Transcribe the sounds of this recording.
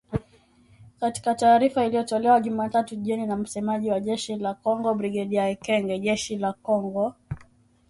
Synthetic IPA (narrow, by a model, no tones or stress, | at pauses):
kati̥kataːɾifailijɔtɔlɛwaʄumaːtatuʄiɔninam̩sɛmaʄiwaʄɛʃilakɔŋɡɔbɾiɡɛɗiaɛkɛŋɡɛʄɛʃilakɔŋɡɔ